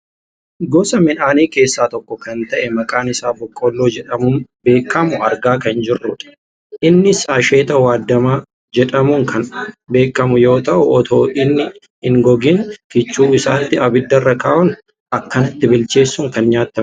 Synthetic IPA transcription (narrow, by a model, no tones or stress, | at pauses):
ɡɔsɐmɪnaːniːke̞ːsːaːt̪ɔkːɔkɐnt̪ɐʔɛmɐkʼaːnɪsaːbɔkʼːolːoːd͡ʒɛᶑɐmʊbe̞ːkːɐmʊɐɾɡaːkɐnd͡ʒɪrːʊᶑɐ̥ | ʔɪnːɪsaːʃe̞ːt̪ɐwaːd̪ːɐmaː | d͡ʒɛᶑɐmʊŋkʰɐnbe̞ːkːɐmʊjo̞ːt̪ɐʔʊʔɔt̪ʰoːʔɪnːɪ | hɪŋɡɔɡɪŋkɪt͡ʃːuːɪsaːt̪ːɪɐbɪd̪ːɐrːɐkaːʔʊn | ʔɐkːɐnɐt̪ːɪbɪlt͡ʃe̞ːsːʊŋkɐnɲaːt̪ːɐm